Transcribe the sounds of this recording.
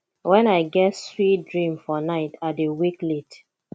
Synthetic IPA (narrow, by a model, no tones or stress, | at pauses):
wɛ̃naɪɡɛtswit̚dɹĩmfɔnaɪtʰadewiklet